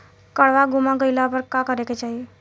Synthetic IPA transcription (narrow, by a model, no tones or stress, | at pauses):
kəɭʋaɡumãɡəjlapəɾkakəɾeked͡ʒaie